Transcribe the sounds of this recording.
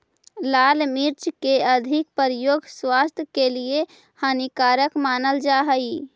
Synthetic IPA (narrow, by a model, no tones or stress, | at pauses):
laːlmiɾt͡ʃkeəd̪ʱik̚pəɾjoːɡswast̪ʰjəkelie | hanikaːɾəkmaːnəld͡ʒaːɦəi